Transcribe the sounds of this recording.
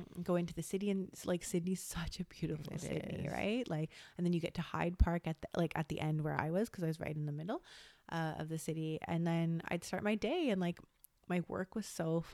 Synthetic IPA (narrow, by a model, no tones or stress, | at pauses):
ɡoʊɪ̃ntʉðɨsɪɾiɨ̃nlʔaɪksɪdⁿniz̥sʌt͡ʃɨbjʉɾəfl̩ˠsɪ̰dⁿnḭɹ̰a̰ɪʔ̚laɪkɨ̃nðɨ̃njɨɡɛtʰɨha̰ɪd̚pʰɑɹkɨt̪̚laɪkɨ̰t̪̚ðḭʔɛ̃nd̚wə̰˞a̰ɪwʌz̥kʰʌzaɪwʌzɹa̰ɪɾn̩ðəmɪɾl̩ˠʔʌʌ̰vðɨsɪɾiɨ̰̃nðɨ̃na̰ɪd̥stɑɹʔ̚maɪdeɪɨ̃nlaɪk | maɪwɜ̰˞kwʌz̥soʊ